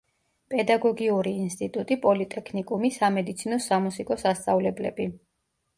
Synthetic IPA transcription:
pʼɛd̪aɡɔɡiuɾiːnst̪ʼit̪ʼut̪ʼipʼɔlit̪ʼɛkʰnikʼumisamɛd̪it̪sʰinɔsamusikʼɔsast̪sʼavlɛblɛ̰bi

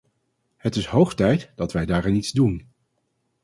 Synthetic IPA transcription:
hətɪsɦowχtɛjtd̥ɑtʋɛjdaːrɪnitzdun

